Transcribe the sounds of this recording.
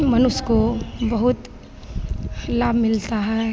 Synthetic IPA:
mɐnʊskobɐɦʊt̪ | laːbʱmɪlt̪aɦɛː

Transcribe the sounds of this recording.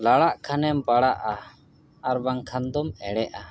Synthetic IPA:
laɽaʔkʰanɛmpaɽaʔa | aɾbaŋkʰand̪ɔmɛɽɛʔa

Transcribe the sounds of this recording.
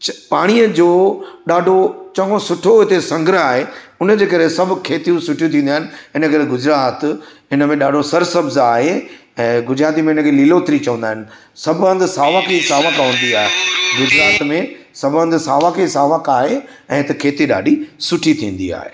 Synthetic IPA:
paːɽ̃iəd͡ʑoːɗaːɖʱot͡ɕɐ̃ɡõsʊʈʰoɦɪt̪esɐ̃ŋɡɾəaːɦeʊnəd͡ʑeːkɐɾesɐbʱʊ̆kʰeːt̪ijũsʊʈʰijũt̪ĩːnd̪aːɦɪnɪ̆ɪnəkɐɾeɡʊd͡ʑɾaːt̪ɪnə̆mẽɗaːɖʱosɐɾsɐbzaːɦeɛ̃ːɡʊd͡ʑɾaːt̪̬imẽɪnəkʰeliːloːt̪ɾit͡ɕɐ̃ʋə̃nd̪aːɦɪnɪ̆ | sɐbʱə̃nd̪saːʋakʰisaːʋəkʋə̃n̆d̪iaːɦeɡʊd͡ʑɾaːt̪mẽ | sɐbə̃nd̪saːʋãkʰesaːʋəkaːɦe | ɛ̃ːt̪ɐkʰeːt̪iɗa̰ːɖʱisʊʈʰit̪ʰĩːn̆d̪ḭa̰ːɦḛː

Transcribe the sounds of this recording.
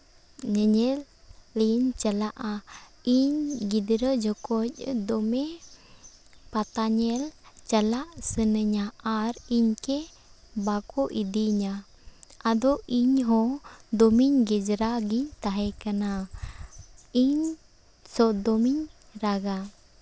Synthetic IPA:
ɲəɲɛlːint͡ʃəlaʔaiɲɡid̪ɾəd͡ʒɔkɔc̚ˀd̪ɔmɛ | pat̪aɲɛlt͡ʃəlaʔsənəɲaːɾiɲkɛ | bakɔʔid̪iɲa | ad̪ɔʔiɲɦɔ̃d̪ɔmiɲɡɛd͡ʒɾaɡiɲt̪aɦɛkana | iɲ | sɔd̪ɔmiɲ | ɾaɡa

